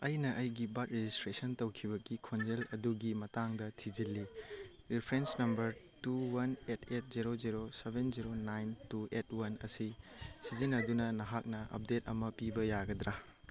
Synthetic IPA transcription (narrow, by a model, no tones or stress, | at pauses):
ɐjnɐʔɐjɡibɐt̚ɾed͡ʒistɾesɐntɐwkʰibɐɡikʰond͡ʒelɐduɡimɐtaŋdɐtʰid͡ʒilːi | ɾipʰɾensnɐmbɐɾtuwɐnetʰet̚ziɾoziɾosebʱenziɾonajntuetʰwɐnɐ̰sisizinɐdunɐnɐɦak̚nɐʔɐ̰p̚detɐmɐpibɐjaɡɐdɾa